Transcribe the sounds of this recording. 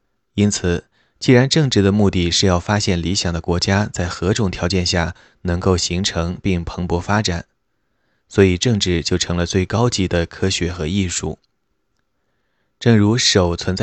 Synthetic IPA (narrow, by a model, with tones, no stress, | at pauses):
i˥nt͡sʰɹ̩˨˩ | t͡ɕi˥˩ɻa˧˥nʈ͡ʂɤ˥˧ŋʈ͡ʂɻ̩˥˩d̪ə˩mu˥˧t̪i˥˩ʂɻ̩˥˧jɑ˥˩ʊfa˥ɕjɛ˥˩nli˧˥ɕjɑ˨˩ŋd̪ə˦kwɔ˧˥t͡ɕja˥t͡sa˥˩ɪxɤ˧˥ʈ͡ʂʊ˨˩ŋt̪ʰjɑ˧˥ʊt͡ɕjɛ˥˧nɕja˥˩ | nɤ˧˥ŋko˥˩ʊɕi˧˥ŋʈ͡ʂʰɤ˧˥ŋpi˥˩ŋpʰɤ˧˥ŋpwɔ˧˥fa˥ʈ͡ʂa˨˩˦n | swɔ˧˥i˨˩ʈ͡ʂɤ˥˧ŋʈ͡ʂɻ̩˥˩t͡ɕjo˥˩ʊʈ͡ʂʰɤ˧˥ŋlə˧t͡swe˥˩ɪkɑ˥ʊt͡ɕi˧˥d̪ə˧kʰɤ˥ɕɥɛ˧˥xɤ˧˥i˥˧ʂu˥˩ | ʈ͡ʂɤ˥˩ŋɻu˧˥ʂo˨˩ʊt͡sʰwə˧˥nt͡sa˥